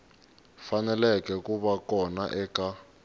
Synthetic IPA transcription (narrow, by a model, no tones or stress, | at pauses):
fanɛlɛk̬ʼɛkʼuɓakʼɔnaʔɛːkʼa